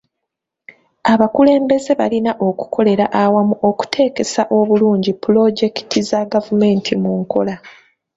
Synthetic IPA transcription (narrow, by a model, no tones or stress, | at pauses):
aβakule̞ːmbe̞ze̞βa̰linaʔo̞ku̥kʰo̞le̞ɾaʔawamuʔo̞ku̥tʰe̞ːke̞saʔo̞βuluːɲɟipulo̞ɟe̞ki̥tizaɡavume̞ːntʰimuŋko̞la